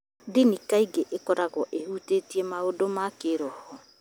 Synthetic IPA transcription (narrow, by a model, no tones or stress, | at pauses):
dinikaiɡeʔekɔɾaɣɔʔehutetiɛmaodomakeɾɔhɔ